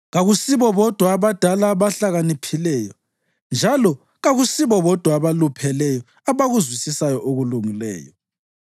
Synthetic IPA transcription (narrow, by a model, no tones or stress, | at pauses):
ɣaɣusiβɔβɔd̥ʱwaːβad̥ʱalaβaɬaɣanipʰilɛːjɔ | nd͡ʒʱalɔ | ɣaɣusiβɔβɔd̥ʱwaːβalupʰɛlɛjɔ | aβaɣuzwisisajɔʔoɣuluŋilɛ̰ːjɔ